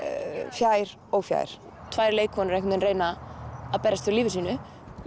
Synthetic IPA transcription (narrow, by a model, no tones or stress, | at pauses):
fjaːjɾ̥ | ɔɣfja̰ːjɾ̥ | t̪ʰvaːjɾleːjkʰvɔnʏɾɛjkmɪnreːjnaapɛɾast̪fʏɾliːvɪsiːnʏ